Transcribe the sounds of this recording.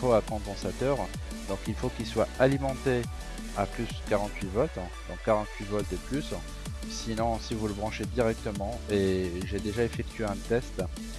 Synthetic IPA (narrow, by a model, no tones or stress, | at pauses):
oakɑ̃d̪ɑ̃sat̪œʁ | d̪ɔ̃kilfokilswaalimɑ̃t̪e | aplyskaʁɑ̃t̪ɥivɔt̪ | d̪ɔ̃kːaʁɑ̃t̪ɥivɔt̪̚d̪əplys | sinɔ̃sivuləbʁɑ̃ʃed̪iʁɛk̚t̪əmɑ̃eʒed̪eʒaefɛk̚t̪ʰɥeɛ̃t̪ɛst̪